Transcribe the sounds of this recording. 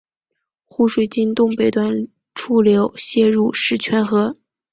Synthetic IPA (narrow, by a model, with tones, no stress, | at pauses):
xu˥˧ʂwe˨˩ɪt͡ɕi˥nt̪ʊ˥˩ŋpe˨˩ɪt̪wa˥˩n | ʈ͡ʂʰu˥ljo˧˥ʊɕjɛ˥˧ɻu˥˧ʂɻ̩˥˩t͡ɕʰɥɛ˧˥nxɤ˧˥